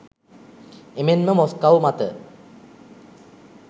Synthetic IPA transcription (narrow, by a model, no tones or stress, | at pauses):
emenməmoskawmat̪ə